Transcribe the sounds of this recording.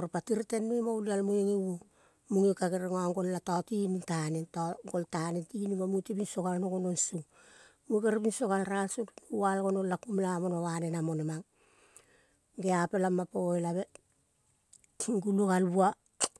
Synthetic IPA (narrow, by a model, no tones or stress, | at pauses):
oɾpatiɾtenmemowlialmujiŋiwo | muŋikakeɾeŋoaŋɡo̞lːatatinintanentoɡoltanentinimamutipinsokalnokononsu | mukeɾipinsokalɾalsumuwalɡononlakumlamonowanenamo̞nemaŋ | ɡeape̞lamapojlaβe | ŋɡulukalbua